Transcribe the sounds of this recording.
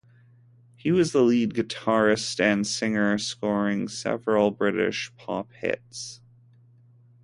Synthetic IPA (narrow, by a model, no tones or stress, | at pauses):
hiwʌzðəlid̚ɡɨtʰɑɹɨstɨ̃nsɪ̃ŋə˞skɔɹɪ̃ŋsɛ̰vɹl̩ˠbɹɪɾɪ̰ʃpʰɑ̰p̚hɪ̰ts